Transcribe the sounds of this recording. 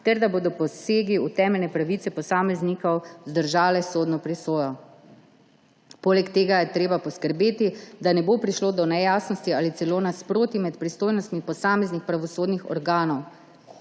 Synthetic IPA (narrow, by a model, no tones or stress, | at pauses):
t̪ɛɾd̪aboːd̪ɔpɔseːɡiut̪ɛːmɛlnɛpɾaʋit̪sɛpɔsaːmɛznikɔwzd̪əɾʒaːlɛsoːd̪nɔpɾisoːjɔ | poːlɛkt̪eːɡajɛt̪ɾeːbapɔskəɾbeːt̪id̪anɛboːpɾiʃloːd̪ɔnɛjaːsnɔst̪iaːlit̪sɛloːnaspɾoːt̪imɛt̪pɾist̪oːjnɔst̪mipɔsaːmɛznixpɾaʋɔsoːd̪nixɔ̰ɾɡaːnɔw